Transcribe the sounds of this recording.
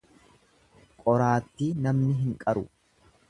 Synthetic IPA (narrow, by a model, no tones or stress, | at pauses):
kʼɔɾaːt̪ːiːnɐmnɪɦɪŋkʼɐɾʊ